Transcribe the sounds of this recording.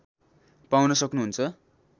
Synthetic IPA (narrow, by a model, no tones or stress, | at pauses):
pawnʌsʌknuɦunt͡sʰʌ